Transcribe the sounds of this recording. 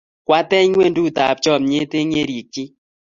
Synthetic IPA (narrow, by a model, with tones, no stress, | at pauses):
kwa˦tɛ˦ŋwe˦˨ndu˦˨ta˨p̚t͡ʃɔ˦˨m̚ɲe˦te˦ɲe˦ɾji˨kːi˦